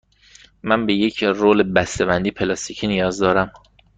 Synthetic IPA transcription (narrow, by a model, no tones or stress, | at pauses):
mænbeje̞cʰɾoːlebæst̪ebænd̪iːpʰelɒst̪icʰinijɒːzd̪ɒːɾæm